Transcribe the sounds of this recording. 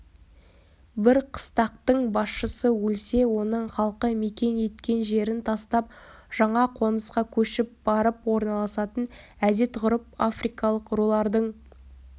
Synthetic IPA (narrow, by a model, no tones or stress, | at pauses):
bɪɾqʰə̥st̪ɑq̚t̪əɴbɑsʃəsəwɵlse̞wo̞nəɴχɑlˠqəme̞kʲe̞nje̞t̪kʲe̞nʒe̞ɾɪnt̪ʰɑst̪ɑp̚ʒ̥ɑɴɑqʰo̞nəsqɑkʲʰɵʃɪp̚bɑɾəpwo̞ɾnɑlˠɑsɑt̪ən | æd̪e̞t̪ʁʊɾəp̚a̰frijkɑlˠəqɾolˠɑɾd̪əɴ